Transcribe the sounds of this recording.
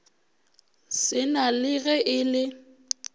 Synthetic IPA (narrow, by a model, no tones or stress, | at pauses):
sɪnalɪɣɛʔɪlɪ